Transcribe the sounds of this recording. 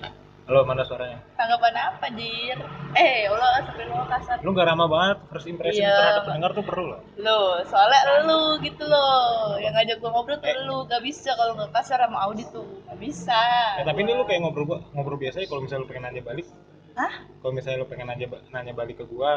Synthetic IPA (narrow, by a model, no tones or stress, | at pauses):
alomanasuaɾaɲat̪aŋɡapanaːpadirɛolalasampɛluŋakasarloŋɡaɾamabaŋət̪̚haɾʊsimpɾɛsiaaənəŋart̪upərlulahlosolɛʔlluɡit̪ulojaŋad͡ʒaɡuaŋobɾɔt̪əluŋɡaʔbisakaloŋɡakasaɾamaaudit̪uŋɡaʔbisat̪apinilʊkajaŋobɾubaŋobɾubiasaɲakalomisalopəŋɛnad͡ʒabalɪk̚ | nahkalomisalɲalopəŋɛnad͡ʒabanaɲabalɪkːəɡua